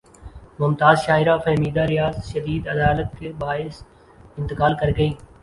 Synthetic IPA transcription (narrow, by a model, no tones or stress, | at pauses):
mʊmt̪aːzʃaːɪɾaːfɐɦmiːd̪aːɾɪjaːzʃɐd̪iːd̪ɐd̪aːlət̪̚kʰeːbaːɪs | ɪ̃nt̪ɪkaːlkɐɾɡəĩː